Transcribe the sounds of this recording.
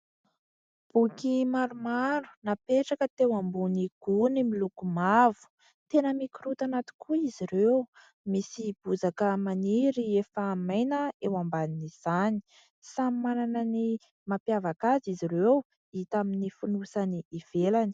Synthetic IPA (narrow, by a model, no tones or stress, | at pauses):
b̥ukimaɾumaɾu̥napeʈ͡ʂakət̪ewambuniɡ̥unimilukumavu̥ | t̪enəmikiɾut̪anat̪i̥kʰuiziɾew | misib̥uzakəmaniɾiefamajnəewambaniniz̥ani̥ | samimananəni | mapjavakaziziɾew | it̪aminifunusaniːv̥elani̥